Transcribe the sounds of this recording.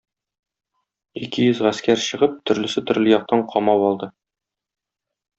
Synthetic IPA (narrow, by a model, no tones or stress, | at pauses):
ikɘjɵzʁæskæɾɕɤ̆ʁɤp̚t̪ʰɵ̆ɾlɘ̆sɘt̪ɵ̆ɾlɘjɒq̚t̪ɑɴqʰɒmɑwɒlˠd̪ɤ